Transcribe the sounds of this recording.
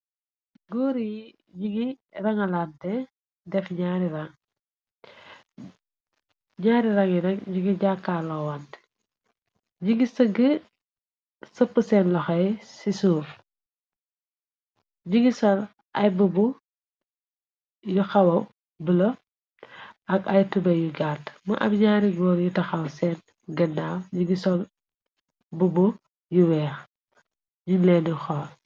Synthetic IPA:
ɡuːɾij | ɟiɡirɐŋɐlantɛ | dɛfɲaːɾiɾaŋ | ɲaːɾiɾɐŋjinɛkɟiɡiɟakːaːlɔwant | ɟiɡisəɡə | səpːəsɛnlɔxɐjsisuːf | ɲiɡisɔl | ʔɐjbubu | juxɐwɐw | bəlɐ | ʔɐkɐjtubɐjuɡaːtmṵʔɐ̰bɲaːɾiɡɔːnjutɐxɐwsɛn | ɡɐnːaːwɲiɡisɔl | bubu | juwɛːx | junlɛːnjuxɔːl

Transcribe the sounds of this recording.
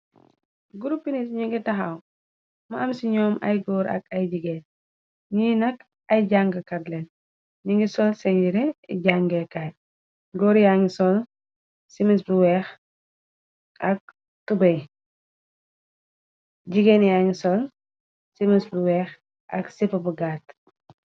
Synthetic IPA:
ɡuɾupːinisɲiŋɡitɐxɐw | mɐɐmsiɲɔːmɐ̰jɡɔːɾɐ̰kɐjd͡ʒiɡɛːn | ɲiːnɐk | ɐjɟaŋɡɐkɐdlɛn | ɲiŋɡisɔlsɛɲɟiɾɛɟaŋɡɛkaːɟ̚ | ɡɔɾjaŋɡisɔl | simisbiwɛːx | ɐk̚ | tubɐj | ɟiɡɛːnjaŋisɔl | simisbɾwɛːx | ʔɐ̰ksifɐbuɡaːt

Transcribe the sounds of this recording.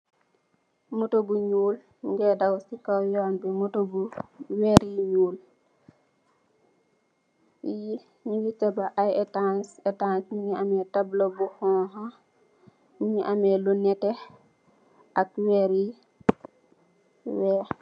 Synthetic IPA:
mutobuɲuːl | ŋɡɛdawsikawjɔːnbimutobuweɾiɲuːl | i | ɲuwitɛbaʔajɛtansɛtãnsmiɲiamɛtablobuhɔ̃ːɦa | miŋiʔamɛlunɛtɛ | ʔakweɾi | wɛ

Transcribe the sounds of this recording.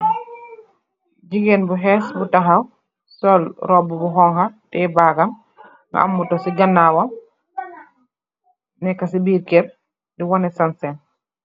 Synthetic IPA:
d͡ʒiɡenbuɦɛsbutaɦaw | sɔlɾɔbubuɦɔŋxatɛbaːɡam | ŋa̰ʔa̰mːutɔsiɡanːaːwam | nɛkːasibiːɾkɛɾ | diwɔnɛsansɛn

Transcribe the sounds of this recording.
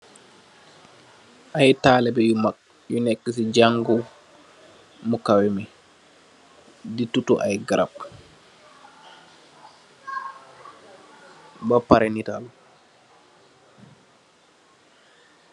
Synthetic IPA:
ʔajtaːlɛbɛjumak̚ | junɛkːisid͡ʒaŋɡu | mukawimi | ditutuʔa̰jɡaɾa̰p̚ | bapaɾɛnital

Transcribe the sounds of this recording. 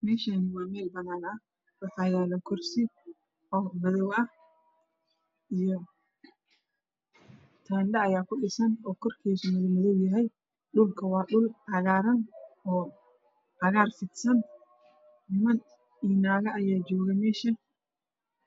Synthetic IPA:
mɛːʃɐnwaːmɛːlbɐnaːlɐɐ | ɾɐtajaːlɐkɔɾsɪ | ʔɔːbɐðɔwɐ | ɪjɔ | t̪ʰɐnɗɐːjaːkʊɗɪsɐnɔːkːɔɾkeːsɔmɐðʊmʊðɔwjɐɦɐj | ɗʊlkɐwaːɗʊlhɐɣaːɾɐnʔɔː | hɐɣaːɾfɪt̪sɐn | nɪmɐn | iːnaːɣɐːjaːd͡ʒoːɣɐmɛːʃɐ

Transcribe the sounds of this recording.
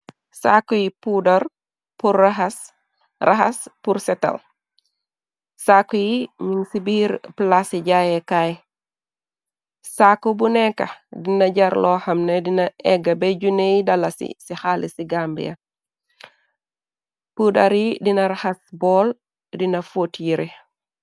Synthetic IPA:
sakujipudɐɾ | puraɦɐs | rahɐspuɾsɛtɐ̰l | sakːujiɲuŋsibiːɾplasiɟajɛkaj | sakːubunɛkːɐ̰dinɐɟɐɾlɔːxɐmnɛdinɐʔɛɡɐbɛɟunejidɐlɐsḭsixalʔisiɡambḭjɐ̰ | pudɐɾjidinɐɾahɐsbɔːl | dinɐfotjiɾi

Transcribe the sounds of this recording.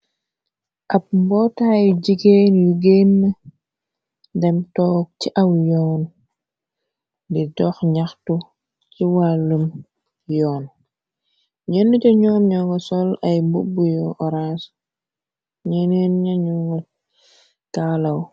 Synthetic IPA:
ʔɐp̚mbɔtaːjɟiɡeːnjuɡenːə | dɛmtɔːk̚t͡ʃiʔawjɔːn | didɔxɲaxtu | ciwalːum | jɔːn | ɲənːutɛɲɔːmɲɔŋɡɐsɔlajmbubujɔʔɔɾas | ɲɛnenɲaɲuŋɡɐ | talaw

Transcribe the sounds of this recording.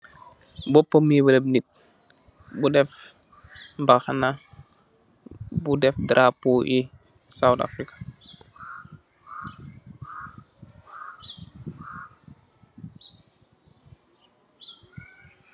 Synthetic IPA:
bɔpːɔmibədəbnit̚ | budɛf | mbaxana | budɛfdɾʔapuʔi | sawta̰fɾikḁ

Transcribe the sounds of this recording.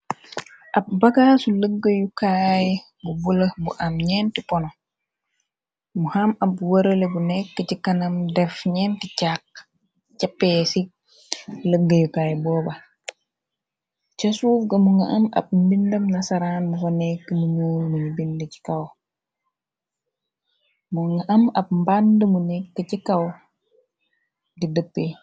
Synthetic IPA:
ʔɐb̚bɐɡaːsuləɡːəjukaːj | bubulɐbuʔɐmɲɛːntipɔnɔ | muhamɐbːuwɐɾɐlebunɛkːəcikɐnɐmdɛfɲɛnticak̚ | capːɛsi | ləɡːɐjukaːjbɔːbɐ | t͡ʃɐsuːfɡɐmuŋɐʔɐmɐ̰p̚mbindɐmnɐsɐɾaːnmufonɛkːəmuɲuːɾmuɲibindəci̥kɐw | muŋaʔɐmɐb̚mbandəmunɛkːəcikɐw | didəpːe

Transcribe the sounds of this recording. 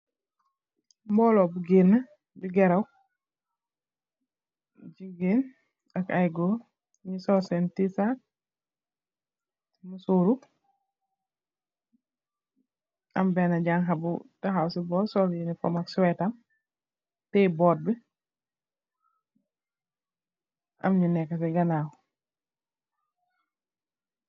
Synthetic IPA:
mbɔlɔbuɡiɾnɐ | biɡɛɾaw | d͡ʒiɡin | akajɡo | ɲisɔsɛntisat̚ | musuɾu | a̰mbɛnaɟaŋɦabṵtaɦawsibɔːtsɔljinifɔ̰makswɛtam | tɛbɔt̚bi | a̰mɲunɛkːas̬iɡanaw

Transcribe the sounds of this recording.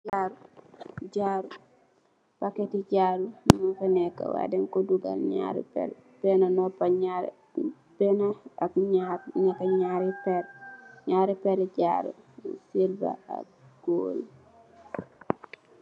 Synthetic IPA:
laɾuɟaɾu | pakɛtiɟaːɾumunfɛnɛkːa̰wa̰dɛŋkɔduɡa̰lɲa̰ɾḭpɛ̰l | b̥ɛnanɔpaɲaɾ̰ | b̥ɛnaakɲaɾɲakaɲaɾipɛɾɲaːɾipɛɾɛɟaɾṵsilba̰a̰kɡ̥ol

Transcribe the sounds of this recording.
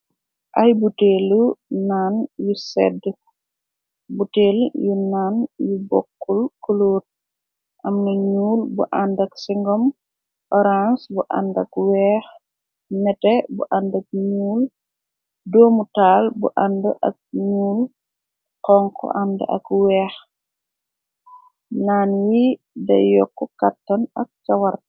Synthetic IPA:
ʔɐjbuteːlunaːnjusɛ̰dːə | buteːljunaːnjubɔ̰kːulkɔloːt̚ | ʔɐmːɐɲuːlbṵʔandɐksiŋɡɔm | ʔɔɾansbuʔa̰ndɐkwɛːx | mɛtɛbṵʔandɐk̚ɲuːl | dɔːmutaːlbṵʔandəʔɐ̰k̚ɲuːl | qɔŋkʰɔ̰ʔandɐ̰ʔɐ̰kwɛːx | naːnji | dɐ̰jɔkːɔkatːɐnɐk̚t͡ʃawɐɾ

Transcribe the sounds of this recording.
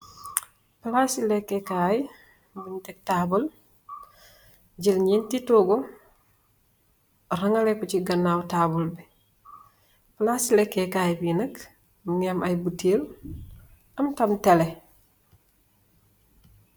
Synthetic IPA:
plasilekːekaːji | bintek̚taːbul | ɟilɲintitoːɡo | ɾɐŋalekuciɡɐnːawtaːbulbe | plasilekːekaːjbinɐk | muŋemajbutʰeːl | ɐmtɐmtele

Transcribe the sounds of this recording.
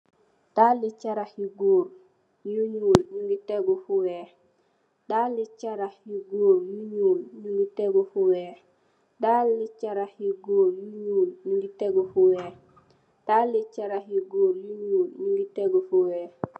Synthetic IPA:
d̥alːit͡ʃaɾahiɡuːɾ | juɲuːlɲuŋɡiteɡofuweː | d̥alːit͡ʃaɾahjiɡuːɾjuɲuːlɲuŋɡiteɡofuweː | dalːit͡ʃaɾahjiɡuːɾjuɲulɲuŋɡiteɡofuweː | d̥alːit͡ʃaɾahjiɡuːɾjuɲuːlɲuŋɡiteɡofuweː

